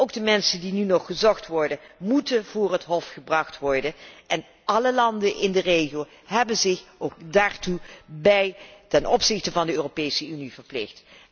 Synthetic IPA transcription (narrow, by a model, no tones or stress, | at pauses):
owkdəmɛnsəndinynɔχːəzɔχtʋɔɹdənmutənv̥ʊːrətɦɔfχəbrɑχtʋɔɹdənʔɛn | ʔɑləlɑndənʔɪndərejχiow | ɦɛbənzɪχokdaːɹtubɛjtɛnʔɔpsɪχtəvɑndəøːropejsəynivəɹplɪxt